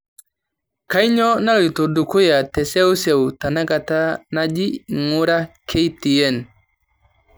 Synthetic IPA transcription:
ka˦i˦ɲɔ˦na˦lto˨du˨kʊ˦ja˨tɛ˨se˦wu˦se˨wta˨na˦ka˨ta˦na˦d͡ʒi˦˨ŋu˦ɾa˦kʰe˦jti˨jɛ˦˨n

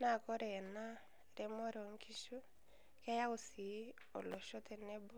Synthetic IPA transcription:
na˦˨kɔ˦ɾɛ˨na˦ | ɾɛ˨mɔ˦ɾɔ˨ŋkʰi˦ʃu˦ | kɛ˦ja˦o˨si˨˦ | ɔ˨lo˨ʃɔ˦t̪e˨nɛ˦bɔ˦

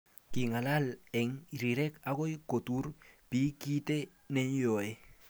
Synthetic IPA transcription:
ki˨ŋa˨la˦le˨ŋɾiɾɛ˦ka˦ko˦jko˨tuɾpi˦ki˦te˦ | ne˦njo˨e˦

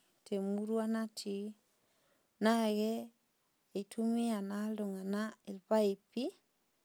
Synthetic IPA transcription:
tʰe˨mu˦ɾwa˦na˦tʰi˨ | na˦ɣɛ˦ | e˨tʰu˦mi˦a˨na˦llo˨ŋa˨na˦e˨lpa˦e˨pi˦

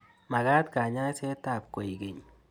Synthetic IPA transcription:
ma˨ɡa˦tka˨ɲa˦sɛ˦ta˦˨pko˨i˨ɡe˨ɲ

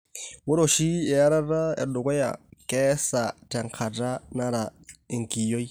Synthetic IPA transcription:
wʊ˦ɾo˨ʃi˦ɛ˨ja˦ɾa˦ra˦ɛ̰˨dʊ˨kɔ˦ja̰˨kɛ˦sa˨tʼa˨ŋ̩˨kʰa˨ʈ͡ʂʼa˦na˦ɾa˨e˨ŋ̩˨ki˨jo˦i˦

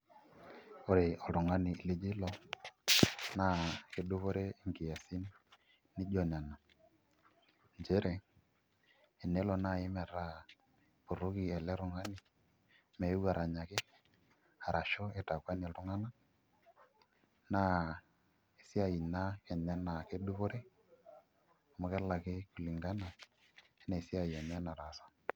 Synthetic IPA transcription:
o˦ɾɪ˨ɔ˨ɾʊ˨ŋa˦niː˨le˦d͡ʒɪ˦lɔ˦˨ | na˦˨ke˨du˦βo˦ɾɛ˦i˦ŋɡi˨a˨si˦nː | ɪ˦d͡ʒɔ˦˨na˨na˨ | nd͡ʒe˦ɾɛ˨ | nɛ˦lɔ˨na˦˨ɪ˦mɛ˨ɾa˦ | po˨ɾo˦ki˨ɛ˨lɛ˦ɾʊ˨ŋa˦nɪ˨ | mɛ˨ju˦ɡa˨ɾʔa˨ɲa˨kɪ˦ | a˨ɾʔa˨ʃɔ˦ɛ˨ta˨kwa˦ni˨tu˦ŋa˦na˦ | na˦ | i˨si˦a˨ji˨na˦kɛ˨ɲɛ˦na˨ke˦du˦po˦ɾe˦ | o˨mo˨˦kɛ˦la˨kɪ˦ku˨li˨ŋɡa˦na˨ | e˦na˨si˦a˨ja˨n˦a˦na˨ɾa˨sa˦

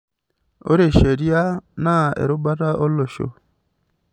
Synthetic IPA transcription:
o̰˦ɾe˨ʃe˨ɾi˦a˦na˦˨ḛ˨ɾo˦ba˦ta˦ʔo˦lo˨ʃo̰˨

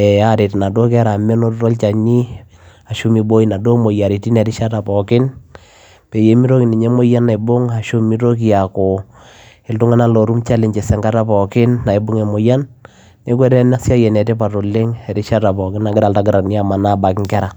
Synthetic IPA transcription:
ɛ˨a˦ɾɪ˨tna˨do˦k̬ɛ˦ɾa˨mɛ˦no˦ttɔ˦lt͡ʃa˨ɲi˦ | a˨ʃu˦mi˨bo˦i˦na˨do˦mo˨ja˨ɾi˨ti˦nɛ˨ɾɪ˦ʃa˦ta˨pɔ˨kɪ˦n | pɛ˨je˨˦mi˦ɾo˦ki˨ni˨ɲɛ˦mo˦ja˦nːa˨i˨bʊ˦ŋa˨ʃu˦mi˦ɾo˦k̬i˨ja˨ko˨ | ɪ˦ltʊ˦ŋa˦na˦lo˨ɾu˦mt͡ʃa˦lɪ˨ɲt͡ʃɛ˨sɛ˨ŋɡa˦ta˦pɔ˨kɪ˦nːa˨i˨bʊ˦ŋɛ˨mo˨ja˦nː | e˦kwɛ˦ɾɛ˦na˦sja˦jɛ˨nɛ˨tɛ˦pa˨to˨lɪ˦ŋɛ˨ɾɪ˦ʃa˦ta˨pɔ˨kɪ˦na˨ɡɪ˦ɾa˨lta˦ɡɪ˦ɾa˨ni˦a˨ma˨na˦ba˨kɪ˦ŋkɛ˦ɾa˨

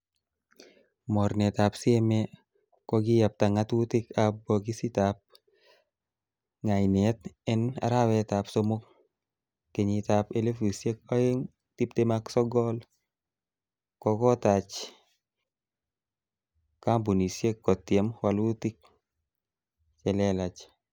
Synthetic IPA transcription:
mɔ˨ɾnɛ˨t̪a˨pse˦me˦ | kɔ˧ɡɪ˦ja˨p̚ta˨ŋa˦twʊ˦tɪ˦ka˨bɔ˨ki˦si˦ta˨p̚ | ŋa˨ɪ˨ne˨˦t̪ɛ˦na̰˨ɾa˦wɛ˦ta˨pso˦mo˦kː | ke˨ɲi˨ta˨pe˦le˦fi˨sje˦kɔ˦e˦ŋ | ti˦p̚te˦maksɔ˦ɡɔ˦l | kɔ˧kɔ˦ta˨t͡ʃ | ka˦mbu˨ni˨sje˦kːɔ˨tːje˨mwa˨lu˦ti˦k̚ | t͡ʃɛ˨lɛ˦la˨t͡ʃ

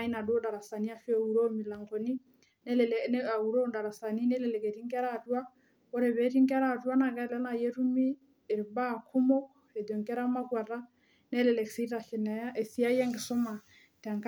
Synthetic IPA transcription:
a˦i˦na˨dwɔ˦da˨ɾa˨sa˨ni˦a˦fɛ˦u˨ɾo˦mi˨la˨ŋɡɔ˨ni˦ | nɛ˦lɛ˨ln˦a˨u˨ɾo˦nda˨ɾa˨sa˨ni˦nɛ˦lɛ˨lɛ˨ke˨ɾi˦ŋɡɛ˦ɾa˦˨twa˦ | ɔ˦ɾɛ˨βɛ˨˦ɾi˦ŋɡɛ˦ɾa˨twa˦na˨kɛ˦lɛ˦na˨jɛ˦ɾu˦mi˦ | ɛ˨ɾba˦˨kʰu˦mɔ˦ | ɛ˨dɔ˨ŋkɛ˦ɾa˦ma˦kwa˨ɾa˦ | nɛ˦lɛ˨lɛ˨ksi˦ɾa˨ɬɛ˨nɛ˨a˦e˨si˦a˦jɛ˦ŋɡɛ˨sɔ˦ma˨ | ta˨ŋk

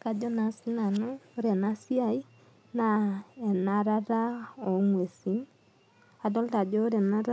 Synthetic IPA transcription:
ka˨d͡ʒɔ˦na˨si˦na˨no˦ɾe˨na˦si˦a˨ji˦ | na˨e˨na˨ɾa˦ɾa˦o˨ŋwe˨si˦n | a˨dɔ˦lta˨d͡ʒɔ˦ɾɛ˨na˦ɾa˦

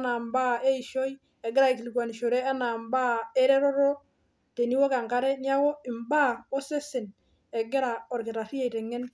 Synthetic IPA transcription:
na˨mba˦e˦i˨ʃo˦j | ɛ˨ɡɪ˦ɾa˨ɪ˨ki˨li˨ɡwa˨ni˨ʃo˨ɾɛ˦a˦na˨mba˦e˦ɾɛ˦ɾɔ˦ɾɔ˦ | te˨ni˦wo˦ka˨ŋka˦ɾɛ˦nɪ˦a˦wo˦ɪ˨mba˦˨o˦se˦sɪ˨n | ɛ˨ɡɪ˦ɾa˨ɔ˨ɾkɪ˨ta˨ɾi˦ja˦˨tɛ˨ŋːɛ˦n

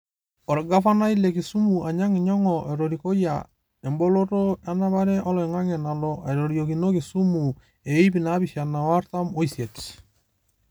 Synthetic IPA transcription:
ɔ˨ɾɡa˦fa˦na˦i˦lɛ˨ki˨su˦mu˨ʔa˨ɲa˦ŋɪ˨ɲɔ˦ŋɔ˨ʔɛ˨ɾo˨ɾi˨ko˦ja̰˨ | e˨mbɔ˦lo˦to˦a˦na˦βa˦ɾɛ˦ʔɔ˦lɔ˨ɛ˨ŋa˦ŋɛ˨na˨lɔ˨ʔa˨jɾo˨ɾjo˨ki˨no˦ki˨su˦mu˨ | e˨˦pi˨na˦bi˨ʃa˨na˨wa˦rta˦mo˦isje˨t

